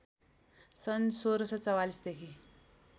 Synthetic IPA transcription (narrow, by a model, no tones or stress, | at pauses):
sənsoɾsɔt͡səwalisd̪ekʰi